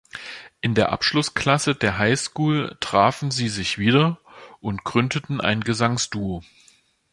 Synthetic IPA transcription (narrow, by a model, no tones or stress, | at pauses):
ʔɪndeːɐʔa̰pʃlʊskʰl̥asədeːɐɦaɪskuːltʁ̥aːfn̩ziːzɪçv̥iːdɐʔʊntɡ̥ʁʏndətn̩ʔa̰ɪnɡəzaŋsd̥uoː